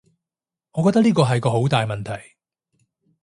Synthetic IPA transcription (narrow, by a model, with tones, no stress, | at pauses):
ŋɔː˨˧kɔː˧k̚t̪ɐ˥kliː˥kɔː˧ɦɐ˨jkɔː˧ɦo˨˥wt̪aː˨jmɐ˨nt̪ʰɐ˨˩j